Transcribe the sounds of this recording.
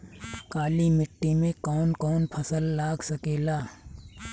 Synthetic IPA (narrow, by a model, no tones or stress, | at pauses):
kaːlimɪʈːimẽkɔːnkɔːnpʰɐsəlːaːɡsɐkeːlaː